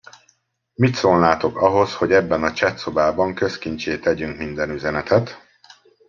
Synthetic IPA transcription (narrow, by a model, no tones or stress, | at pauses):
mit̪soːlnaːt̪o̞kɒɦo̞sho̞ɟɛbːɛnɒt͡ʃɛt̪so̞baːbɒŋkø̞skint͡ʃeːt̪ɛɟyŋkmind̪ɛnyzɛnɛt̪ʰɛt̪